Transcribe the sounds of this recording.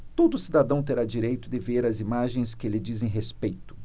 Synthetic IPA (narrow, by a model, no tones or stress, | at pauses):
t̪od̪ʊːsid̪ad̪ɐ̃w̃t̪eɾad͡ʒiɾejt̪ʊd̪ɪveɾɐzimaʒẽj̃skɪelɪd͡ʒizẽj̃ɦespejt̪ʊ̥